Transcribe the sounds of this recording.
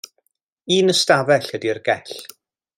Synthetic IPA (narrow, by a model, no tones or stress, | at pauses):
iːnəstavɛɬhədirɡɛɬ